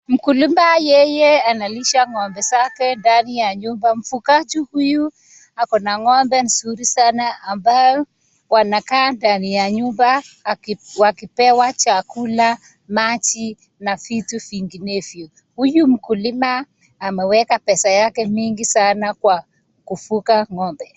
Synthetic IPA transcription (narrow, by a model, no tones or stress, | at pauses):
m̩kulimajɛjɛanaliʃaŋɔmbɛzakɛndanijaɲumbam̩fukad͡ʒuhuju | akɔnaŋɔmbɛn̩suɾisanaːmbajɔ | wanakandanijaɲumba | wakipɛwat͡ʃakula | mat͡ʃi | nafitufiŋɡinefju | hujum̩kulimaː | mɛwɛkapɛsajakɛmiŋɡisanakwa | kufukaŋɔmbɛ